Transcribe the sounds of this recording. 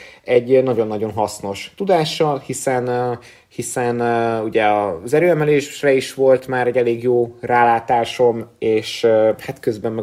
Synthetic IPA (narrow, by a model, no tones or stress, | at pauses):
ɛɟːnɒɟo̞nːɒɟo̞nɦɒsno̞ʃt̪ud̪aːʃɒhisɛn | hisɛnuɟɛɒzɛɾøːɛmɛleːʃrɛiʃʋo̞lt̪maːɾɛɟɛleːɡjoːraːlaːt̪aːʃo̞meːʃhat̪køzbɛmːɛ